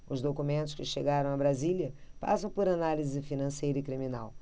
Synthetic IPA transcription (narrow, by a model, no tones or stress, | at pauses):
ʊzd̪okumẽnt̪ʊ̥ʃkɪʃeɡaɾɐ̃w̃ɐbɾaziljɐpa̰sɐ̃w̃poɾanalizɪfinɐ̃sejɾɐikɾimina̰w